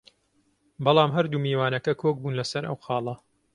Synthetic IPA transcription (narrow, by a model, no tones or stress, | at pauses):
bɑlˠɑːmɦɐɾd̪uːmiːwaːnɐkɐkʰok̚buːnlɐsɐɾʔɐ̰wxɑːlˠɐ